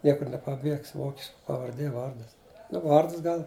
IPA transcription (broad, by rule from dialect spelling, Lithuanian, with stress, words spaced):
ˈnʲiɛkʊr nʲɛpɐˈbʲiɛks ˈʋoːkʲɪʃkɐ pɐʋɐrʲˈdʲeː ˈʋɐrdɐs nʊ ˈʋɐrdɐs ˈɡɐlˠ